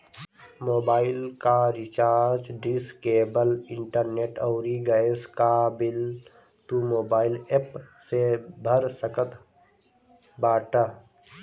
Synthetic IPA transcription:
moːbaːɪlkaɾɪt͡ʃaːɾd͡ʒɖiskeːbəlɪ̃ɳʈəɾneːʈəʊɾiɡəeskabɪl | t̪umoːbaːɪlepsebʱəɾsəkət̪ | baːʈa

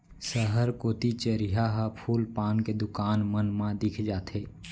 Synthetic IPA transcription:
səɦəɾkoːt̪it͡ʃəɾiɦaɦəpʰuːlpaːnked̪ʊkaːnmənmãd̪ɪkʰd͡ʒaːt̪ʰeː

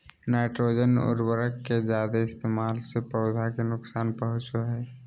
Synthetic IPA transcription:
naːɪʈɾoːd͡ʒənʊ̰ɾbəɾəkːed͡ʒaːd̪eɪst̪eːmaːlsepəʊd̪ʱakenʊksaːnpəɦʊt͡ʃoɦɛː

